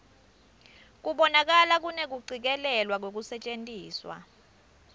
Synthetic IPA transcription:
k̬ʼuɓɔnak̬alak̬ʼunek̬uǀʱik̬ɛlɛlwak̬wok̬usɛt͡ʃʼentʼiːswa̰

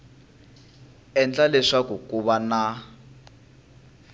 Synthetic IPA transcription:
ɛnd͡ɮalɛʂakukʼuβana

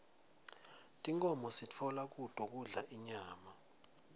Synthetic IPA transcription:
tʼiŋkʼɔmɔsit͡fʰɔlak̬ʼutʼɔk̬ʼuɮaʔiɲaːma

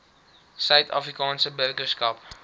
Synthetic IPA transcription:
sœɥtʰɑ̰ːfrikɑːnsəbərkəskɐp

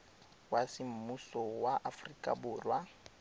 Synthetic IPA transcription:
wasɪm̩musɔwaʔafrikʼa̰bʊːlwa

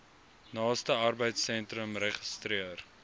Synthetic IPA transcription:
nɑːstəɐrbəjtsɛntrəmrɛχəstriər

